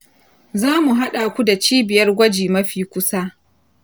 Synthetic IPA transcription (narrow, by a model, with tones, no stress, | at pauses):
zaː˦mu˨ɦa˦ɗaː˨kʷu˦da˨t͡ʃiː˦bɪ˨jɐ˦rɡʷɐ˦d͡ʒiː˨mɐ˦ɸiː˨kʷʊ˦saː˦ʔ